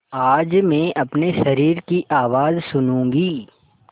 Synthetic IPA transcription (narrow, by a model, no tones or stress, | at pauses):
aːd͡ʒmẽːʔɐpneʃɐɾiːɾkiʔaːʋaːzsʊnũːŋɡiː